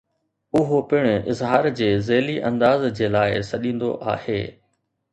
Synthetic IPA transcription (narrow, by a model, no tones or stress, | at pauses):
ʊɦopɪɽ̃ɪ̰zɦaːɾd͡ʑeːzeːliʔɐ̃nd̪aːzd͡ʑeːlaːɪsɐɗĩːn̆d̪o̰ʔa̰ːhḛː